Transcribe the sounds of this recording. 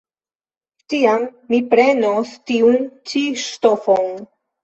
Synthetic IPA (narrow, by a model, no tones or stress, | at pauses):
tiamːipɾe̞nostiunt͡ʃiʃtofon